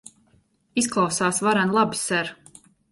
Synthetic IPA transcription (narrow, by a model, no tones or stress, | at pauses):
isklˠawsaːsvaɾanlˠabsɛɾ